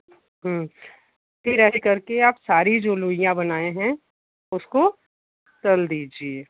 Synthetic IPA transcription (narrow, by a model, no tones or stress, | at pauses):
ɦɛ̃ː | pɪɾəɦekɐɾkeaːpsaːɾid͡ʒoːluːijãbɐnaːẽɦɛ̃ | ʊsko | t̪ɐld̪iːd͡ʒieː